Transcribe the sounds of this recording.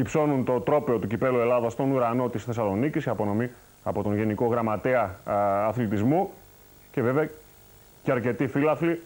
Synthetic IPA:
ipso̞nunt̪o̞t̪ɾo̞pe̞o̞t̪ucipe̞lue̞lɐðɐst̪o̞nuɾɐno̞t̪isθe̞sɐlo̞nicisiɐpo̞no̞mi | ɐpo̞t̪o̞nʝe̞niko̞ɣɾɐmɐt̪e̞ɐɐθlit̪izmu | ce̞veveɐ | ceɐɾce̞t̪ifilɐθli

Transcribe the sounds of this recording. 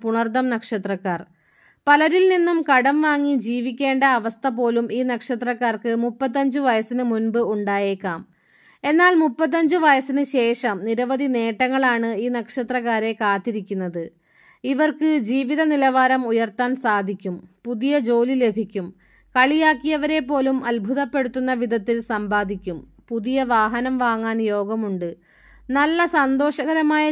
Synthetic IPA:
puɳɐrt̪ɐmnɐkʂɐt̪rɐkːaːr | pɐlɐɾilninːumkɐɽɐmʋaːŋːid͡ʑiːʋikʲːe̞ːɳɖɐɐʋɐst̪ʰɐpo̞ːlumiːnɐkʂɐt̪rɐkːaːrkɨmupːɐt̪̬ːɐɲd͡ʑɨʋɐjɐsinɨmunbɨuɳɖaːje̞ːkːaːm | e̞nːaːlmupːɐt̪̬ːɐɲd͡ʑɨʋɐjɐsinɨɕe̞ːʂɐmniɾɐʋɐd̪ʱine̞ːʈːɐŋːɐɭaːɳɨiːnɐkʂɐt̪rɐkːaːɾe̞kaːt̪ːiɾikʲːunːɐðɨ | iʋɐrkɨd͡ʑiːʋiðɐnilɐʋaːɾɐmujɐrt̪aːnsaːd̪ʱikʲːumpuðijɐd͡ʑo̞ːlile̞bʱikʲːum | kɐɭijaːkːijɐʋɐɾe̞pːo̞ːlumɐlbʱuðɐpːe̞ɽut̪ːunːɐʋid̪ʱɐt̪ːilsɐmbaːd̪ʱikʲːum | puðijɐʋaːɦɐnɐmʋaːŋːaːnjo̞ːɡɐmuɳɖɨ | nɐlːɐsɐnd̪o̞ːʂɐɣɐɾɐmaːjɐ

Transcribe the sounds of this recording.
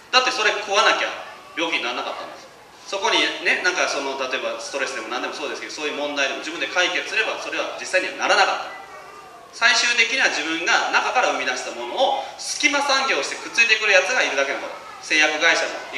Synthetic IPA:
d̪̥at̪ːe̞so̞ɾe̞kʰoβanakʲa̰ | bʲjo̞ːkʲiɲinaɾanakat̪ːã̰nesɨ̥ | so̞ko̞ɲ̟ine̞nãŋkaso̞no̞t̪at̪o̞e̞bast̪o̞ɾe̞sɨd̪e̞mo̞nãnd̪e̞mo̞so̞ːd̪esked̪osoːjɯːmõ̞nd̪aid̪e̞mo̞d͡ʑibɯ̟nd̪e̞kaike̞t͡sɨ̥sɨɾe̞baso̞ɾe̞β̞ad͡ʑisːaiɲ̟iβa̰naɾanakat̪ːa | saiɕɨːt̪e̞kʲiɲ̟iβaʑibɯ̟̃ŋɡanakakaɾaɯ̟mʲid̪aɕi̥t̪amo̞no̞ːsɨ̥kʲimasãŋɡʲo̞ːɕi̥t̪e̞kɯ̟̥t͡sɨit̪e̞kɯ̟ɾɯjat͡sɨɡaiɾɯ̟d̪ake̞nãkɡ̪at̪o | se̞ːjakɯ̟ɡaiɕamo̰

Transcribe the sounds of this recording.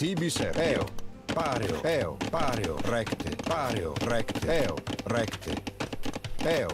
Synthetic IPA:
t̪ibiseɛo̰paɾjo̰ɛo̰paɾjo̰rɛkt̪ḛpaɾjo̰rɛkt̪eɛo̰rɛkt̪ḛ | ɛo

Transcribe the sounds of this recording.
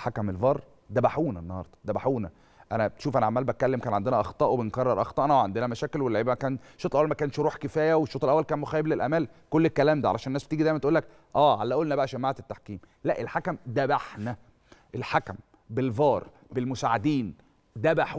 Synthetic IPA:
ħakæmelvɑːɾˤ | d̪æbaħuːnænːɑhɑ̰ɾˤd̪ˤɑ̥d̪æbaħuːnæ | ʔænæbt̪ʃuːfʔænæʕamælbækælːemkæːnʕand̪enæʔɑxt̪ˤɑːʔwebenkɑrˤːɑɾˤʔɑxˤɑʔnɑweʕand̪enæmæʃæːkelwelːeʕiːbæmækæːnʃoːt̪elʔæwælmækæːnʃɾuːħkefæːjæweʃːoːt̪ˤelʔæwːælkæːnmoxæːjeblelʔæ̰mæːlkolːekːælæːmd̪æʕalæʃænːæsbet̪iːɡid̪æjmænt̪ʔuːlːæk̚ | ʔæːʕalːæʔoːlnæbæʔæʃæmːaʕet̪et̪ːaħkiːmlæʔelħakæmd̪æbaħnæ | ʔelħakæm | belvɑːɾˤ | belmosaʕed̪iːn | d̪æbaħu

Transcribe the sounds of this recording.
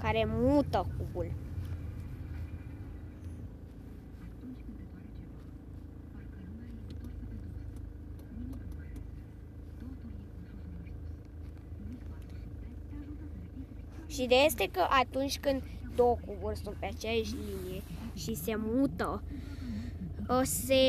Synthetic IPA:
kaɾe̞mut̪əkubul | ʃid̪eajest̪e̞kəʔat̪unt͡ʃʲkɨnd̪ | d̪owkubulsunt̪̚peat͡ʃejaʃʲlinijeʃise̞mut̪ə | əse

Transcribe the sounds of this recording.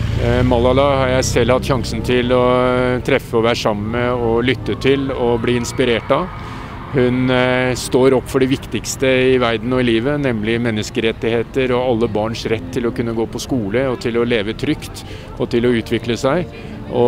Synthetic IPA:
mɑlːɑlɑhɑɾjæɪsɛlːhɑt̪ːɕɑŋsn̩t̪ʰɪlɔt̪ʰɾɛfːəɔʋæːɾʂɑmːəməɔlʏt̪ːət̪ʰɪlɔbliːɪnspɪɾeːʈɑ | hʉnst̪oːɾɔpːfɔɖɛʋɪkt̪ɪkst̪əɪʋæɾd̪n̩ɔɪliːʋənɛmːlɪmɛnːəskəɾɛt̪ːɪheːt̪əɾɔɑlːəbɑːɳʂɾɛt̪ʰːɪlɔkʉnːəɡoːpʰɔskuːləɔt̪ʰɪlɔleːʋət̪ʰɾʏkt̪ | ɔt̪ʰɪlɔʉːt̪ʰʋɪkləsæɪ | ʔɔ

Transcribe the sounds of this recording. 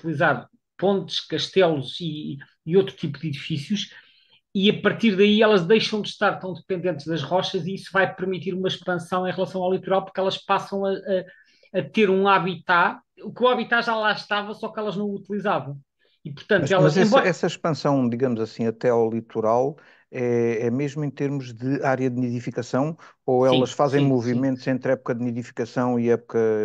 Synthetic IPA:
ut̪ilˠizaɾ | põnt̪ʃkɐʃt̪ɛlˠuzi | iot̪ɾu̥t̪ipuðiðifisjuʃ | iɐpɐɾt̪iɾðɐiɛlˠɐʒðɐjʃɐ̃w̃d̪ɨʃt̪aɾt̪ɐ̃w̃d̪ɨpẽnd̪ẽnt̪ʒðɐʒʁɔʃɐziisuvajpɨɾmit̪iɾumɐʃpɐ̃sɐ̃w̃ẽj̃ʁlˠɐsɐ̃w̃awlˠit̪uɾalˠpuɾkɛlˠɐʃpasɐ̃w̃ɐʔɐ | ɐt̪eɾũaβit̪a | ukuaβit̪aʒalˠaʃt̪avɐsɔkɛlˠɐʒnɐ̃w̃ut̪ilˠizavɐ̃w̃ | ipuɾt̪ɐ̃ntmɛlɐɛ̃ɛsɐʃpɐ̃sɐ̃w̃d̪iɣɐmuzɐsĩɐt̪ɛawlˠit̪uɾalˠ | ɛɛmeʒmuẽt̪eɾmuʒðɨaɾjɐd̪niðifikɐsɐ̃w̃oɛ̃lˠɐʃfazẽj̃muvimẽnt̪uzẽnt̪ɾɛpu̥kɐðniðifi̥kɐsɐ̃w̃iɛpu̥kɐ

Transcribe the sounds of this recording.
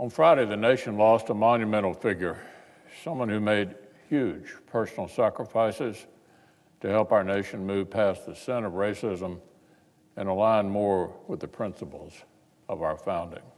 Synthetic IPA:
ə̃nfɹaɪɾeɪðɨneɪʃɨ̃nlɔstəmɑ̃njɨmɛ̃ɾ̃l̩ˠfɪɡjə˞ | sʌ̃mwʌ̃nhʉmeɪd̚ | hjʉd̥ʒ̥pʰɜ˞sn̩l̩ˠsækɹəfaɪsɪz̥ | tʰɨhɛlˠpaʊə˞neɪʃɨ̃nmʉv̥pʰæsðɨsɛ̃ñʌvɹeɪsɪzə̃m | ɨ̃nəlãɪ̃nmɔɹwəðɨpʰɹ̥ɪ̃nsəpl̩ˠz̥ | ʌvaʊə˞fãʊ̃ndɪ̰̃ŋ

